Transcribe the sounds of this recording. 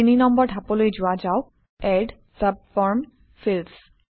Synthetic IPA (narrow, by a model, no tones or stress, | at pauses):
ininɔmbɔɹdʱapolojzʊad͡ʒaʊ | ɛɖ | səb̚fɔɹm | fils